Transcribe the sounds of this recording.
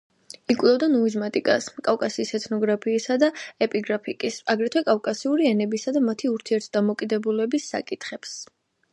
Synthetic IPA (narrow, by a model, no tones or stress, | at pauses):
ikʼlˠɔvd̪anɔizmat̪ʼikʼaskʼawkʼasiːsɛt̪ʰnɔɡɾapʰiːsad̪aɛpʼiɡɾapʰikʼisaɡɾɛt̪ʰwɛkʼafkʼasiuɾiɛnɛbisad̪amat̪ʰiuɾt̪ʰiɛɾt̪ʰd̪amɔkʼid̪ɛbulɛbisːa̰kʼit̪ʰχɛps